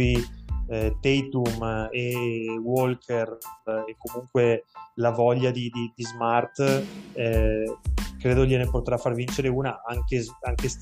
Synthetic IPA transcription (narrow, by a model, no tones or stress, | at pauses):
i | t̪ejt̪umewolkʰerekːomuŋkwelavɔʎːad̪id̪id̪izmart̪ | kɾeːd̪oʎenepot̪ɾafːarvint͡ʃeɾeuːnaʔaŋkeaŋk̟es